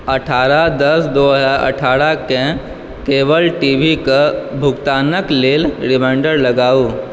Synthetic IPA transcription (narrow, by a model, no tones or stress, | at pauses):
ɐʈʰaːɾad̪əsd̪oːɦəd͡zaɾʔə̰ʈʰaːɾakẽ | keːʋəlʈiːbikabʱʊkt̪aːnəkleːlɾɪmɛ̃ːɳɖəɾləɡaːuː